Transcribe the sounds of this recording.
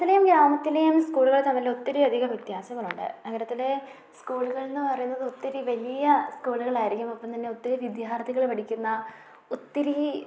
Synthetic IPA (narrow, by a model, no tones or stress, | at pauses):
t̪ːilejumɡɾaːmɐt̪ːilejumskuːɭuɣɐɭt̪ɐmːɐɾileut̪ːɐɾiɐd̪ʱiɣɐʋjɐt̪jaːsɐŋːɐɭuɳɖɨ̰nɐɡɐɾɐt̪ːile̞ | skuːɭuɣɐɭenːɨpɐrɐjunːɐðɨut̪ːɐɾiʋɐlijɐskuːɭuɣɐɭaːjiɾikʲːumɐpːɐmt̪ɐnːeut̪ːɐɾuʋid̪jaːrt̪ʰiɣɐɭpɐɽikʲːunːɐ | ut̪ːɐɾi